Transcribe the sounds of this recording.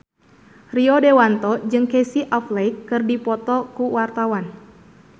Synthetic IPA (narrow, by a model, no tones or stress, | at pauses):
riɔdewant̪ɔd͡ʒɨŋkɛsiʔɔflɛjkːɨrdipɔt̪ɔkuwart̪awan